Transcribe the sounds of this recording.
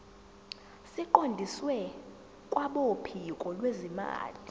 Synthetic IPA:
siǃondʱiswɛ | kʼwaɓopʰikʼɔlwezima̰ːli

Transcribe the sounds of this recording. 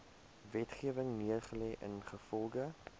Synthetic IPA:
vɛtχiəvəŋniərχəlɛːʔə̰nχəfɔlˠɡə

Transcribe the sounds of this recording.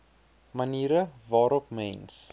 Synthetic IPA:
mɐniːɾəvɑːɾɔpmɛns

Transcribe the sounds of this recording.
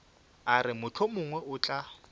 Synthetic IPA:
aɾɪmʊt͡ɬʰʊmʊŋwɛʔʊt͡ɬʼa

